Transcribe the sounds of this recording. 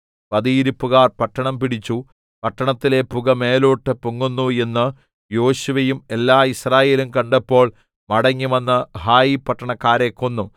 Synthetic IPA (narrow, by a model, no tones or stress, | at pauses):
pɐðiːɾupːuɣaːrpɐʈːɐɳɐmpiɽit͡ɕːu | pɐʈːɐɳɐt̪ːile̞puɣɐme̞ːloːʈːɨpuŋːunːue̞nːɨ | jo̞ːɕuʋɐjume̞lːaːisraːje̞ːlumkɐɳɖɐpːo̞ːɭ | mɐɽɐŋːuʋɐnːɨhaːjipɐʈːɐɳɐkːaːɾeːkːonːu